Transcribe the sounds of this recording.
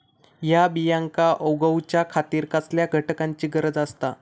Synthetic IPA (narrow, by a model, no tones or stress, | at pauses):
jabijãŋkaʔowɡəwt͡ɕjakʰat̪iːɾkasljaɡʱəʈkaɲt͡ɕiːɡəɾəd͡zast̪a